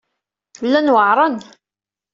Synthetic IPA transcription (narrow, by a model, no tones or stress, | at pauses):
lːænwəʕɾˤən